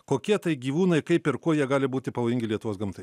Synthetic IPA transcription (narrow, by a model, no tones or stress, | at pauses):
koːkʲiɛt̪ɐɪɡʲiːʋuːnɐɪkɐɪpɪɾkuɔjiɛɡɑːlʲɪbuːt̪ʲɪpɐʋoːjɪŋʲɡʲɪlʲiɛt̪ʊʋoːsɡɐmt̪ɐɪ